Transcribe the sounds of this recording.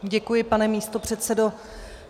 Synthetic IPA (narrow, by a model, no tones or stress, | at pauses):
ɟɛkujɪpanɛmiːst̪o̞pr̝̥ɛt̪sɛdo̞